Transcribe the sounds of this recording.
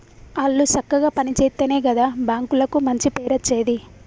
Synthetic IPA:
ɐɭːut͡ʃɐkːɐɡaːpɐnit͡ʃeːt̪ːɐneːɡɐd̪aːbaːŋkulɐkumɐɲt͡ʃipeːɾɐt͡ʃːeːd̪i

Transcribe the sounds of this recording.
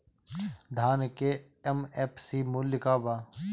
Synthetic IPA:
d̪ʱaːnkeemeːpʰsimuljkaːbaː

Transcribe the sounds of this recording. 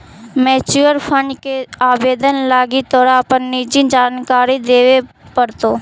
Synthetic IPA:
meːt͡ʃuːəɾpʰə̃ɳɖkeaːbeːd̪ənlaːɡit̪ɔːɾapənːiːd͡ʒĩd͡ʒaːnkaːɾid̪eːʋe | pəɾt̪oː

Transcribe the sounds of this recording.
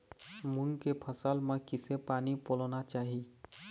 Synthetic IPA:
munkepʰəsalmẽkisepaːnipolɔnat͡ʃaːɦi

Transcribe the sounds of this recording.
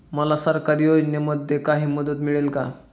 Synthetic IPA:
məlasəɾkaɾiːɦod͡ʑneməd̪ʱːjekaɦiːməd̪ət̪miɭelka̰

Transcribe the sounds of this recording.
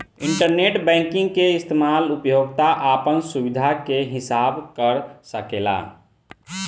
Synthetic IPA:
iɳʈəɾneʈbɛ̃ŋkĩŋɡkeist̪ʰemalupjoɡ̚t̪aʔapənsubid̪ʱakeɦisabkəɾsəkela̰

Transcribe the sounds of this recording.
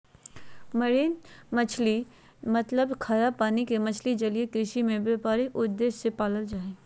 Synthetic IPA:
məɾeːnmət͡ʃʰli | mət̪ləbkʰaɾapaːnikemɐt͡ʃʰlid͡ʒɐliekɾɪʃimẽbepaːɾeʔʊd̪ːeːʃsepaːləld͡ʒaːeː

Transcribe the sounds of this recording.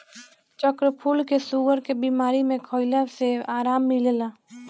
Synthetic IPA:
t͡ʃəkɾəpʰuːlkesuɡəɾkebiːmaːɾimẽkʰɔːɪləseaːɾaːmːɪllaː

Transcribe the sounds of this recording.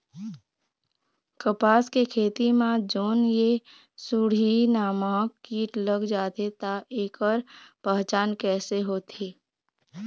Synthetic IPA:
kəpaːskekʰeːt̪imãd͡ʒoːnje | suɽinaːmãːkiːʈləɡd͡ʒaːt̪et̪aʔeːkəɾpɛɦt͡ʃaːnkɛːseɦoːt̪ʰiː

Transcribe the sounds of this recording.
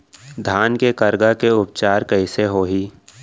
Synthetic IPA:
d̪ʱaːnkekɐɾɡakeʊp̚t͡ʃaːɾkəɪseɦoːɦiː

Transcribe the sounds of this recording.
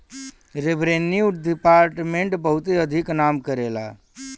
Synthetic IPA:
ɾebɾeːnːiʊʈɖ̪ɪpaːɾʈmẽɳʈbəɦʊt̪eɐd̪ʱɪknaːmkəɾeːla̰ː

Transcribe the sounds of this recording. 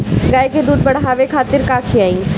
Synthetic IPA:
ɡaːjked̪uːd̪̚bɐɽɦaːʋekʰaːt̪ɪɾkaːkʰiaːĩ

